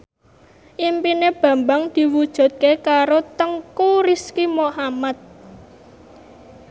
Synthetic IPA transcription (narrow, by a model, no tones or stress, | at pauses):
ʔimpineb̥ä̤mbaŋd̪̥i̤wud̥ʒ̥ṳt̪̚kekaɾot̪əŋkuɾiskimohamat̪̚